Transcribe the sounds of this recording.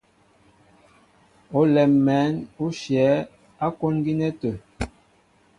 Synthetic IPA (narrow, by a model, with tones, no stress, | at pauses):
o˨˦lɛ˨mːɛ˨˦nu˦ʃjɛ˨˦ | a˦ko˦nɡi˦nɛ˦tə˨